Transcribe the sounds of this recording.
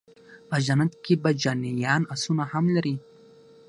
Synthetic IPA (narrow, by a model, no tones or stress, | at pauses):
pəʒanat̪kebad͡ʒanijɑnasunahamlaɾi